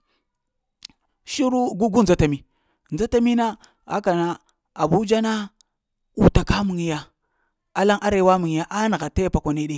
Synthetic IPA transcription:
ʃi˦ɾu˦ɡu˦ɡu˦n˨a˦ta˨mi˨ | nd͡za˦ta˦mi˦na˦ | a̰˦ka˨na˦ | a˨bu˦d͡ʒa˦na˦ | u˨ta˨ka˦mu˨ŋ˨ja˨ | a˦la˦ŋʔa˦ɾe˦wa˦mu˨ŋ˨ja˦ʔa˦na˨ɣa˨ta˦jpa˨kʷa˨ne˨˦ɗe˦

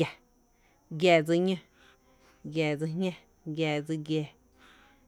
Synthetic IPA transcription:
a˨ | ɡjɛː˧˨d͡zi˧ɲə̃˧ | ɡjɛː˨d͡zi˧ɦɲã˦ | ɡʲjɛː˧˨d͡zi˧ɡjeː˧˨

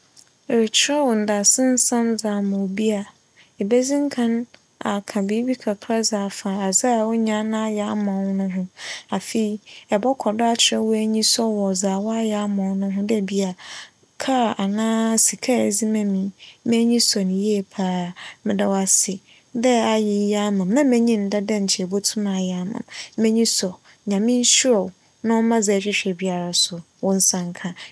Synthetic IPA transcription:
ɾɪ˨t͡ɕʰɪ˨ɾɛ˦wɔ˨n̩˨da˨sɪ̃˦n̩˦sã˦mzaː˨mã˨bi˦a˨ | e˨be˦zĩ˦ŋ˦kʰã˦n | a˨kʰã˨biː˦bi˦kʰa˨kʰɾa˦zaː˨fã˨a˨za˦˨wʊ˦ɲã˦nã˦jɛ˨a˦mã˨˦nʊ̃˦ɦʊ̃˦a˨fe˨i˨ɛ˨bɔ˦kʰɔ˨da˦a˦t͡ɕʰɪ˨ɾɛ˦wɔ˦æ˦ɲĩ˦sɔ˦wɔ˨zaː˨wa˦jɛ˨a˦mã˨wnʊ̃˦ɦʊ̃˦dɛ˦˨bi˦a˨ | kʰa˦˨ʔa˨nãː˦si˨kʰa˦˨zi˦mɛ̃˦mĩ˨˦mɛ˦ɲĩ˦sɔ˨nɪ̃˨je˦e˨pʰaː˦˨mɪ̃˦da˦wa˨sɪ˨ | dɛ˦a˨jɪ˨˦ja˦mã˨m˦nã˦mɛ̃˦ɲĩ˦n̩˨˦da˦dɛ˦ɲ̩˨t͡ɕʰɪ˨ɛ˨bɔ˦tʰũ˦mã˨jɛ˨a˦mã̰˨mːɛ̃˦ɲĩ˦sɔ˨ | ɲã˨mɪ̃˦n̩˦ɕi˦ɾɔ˨w | nã˦ɔ˦mã˦za˨ɕᶣɪ˦ɕᶣɛ˨bi˦a˨ɾa˨sʊ˨ | wɔ̃˦n̩˦sã˨ŋ˨kʰã˦

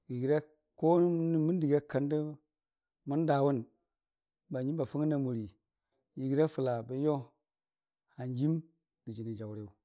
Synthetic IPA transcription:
ji˨ɡi˨ɾa˦ | ko˦n˦mu˦n˦di˨ɡa˦ka˨ndə˦ | mu˦n˦da˨wu˦n | ba˨ɲi˦ba˨fu˦ŋi˦na˨mu˨ɾi˨ | ji˨ɡi˨ɾa˦fu˨la˨bə˨jo˦ | ha˨nd͡ʒi˦m | ɡ̥i˨d͡ʒi˨ni˨d͡ʒa˨wɾe˨u˨

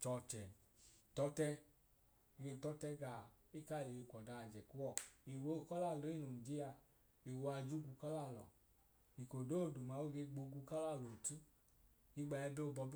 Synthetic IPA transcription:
t͡ʃɔ˧t͡ʃɛ˨ | tɔ˨˦tɛ˦˧ | ɡe˧˨tɔ˦tɛ˦ɡa˨i˦ka˦˨le˨e˧˨kʷɔ˨da˧˨d͡ʒɛ˨ku˦wɔ˦˨i˨wo˧˦˨kɔ˦la˦˨lɔ˨i˦nu˨n˨d͡ʒi˦a˧ | i˨wo˧a˧d͡ʒu˦ɡu˧kɔ˦la˦˨lɔ̰˨ | i˨ko˨do˦˨du˨ma˨˦wo˦ɡe˧ɡ͡bo˧ɡu˧ka˦la˦˨lɔ˨tu˦ | i˧˦ɡ͡ba˧ɛ˧bo˦˧˨bɔ˧bi˦

